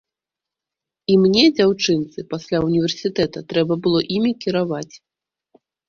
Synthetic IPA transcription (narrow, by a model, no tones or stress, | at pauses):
imnʲɛd͡zʲawt͡ʂɨnt̪sɨpasʲlʲaunʲivʲɛrsʲit̪ɛt̪ɐt̪ɾɛbɐbɨlˠɔʔimʲikʲiɾavat͡sʲ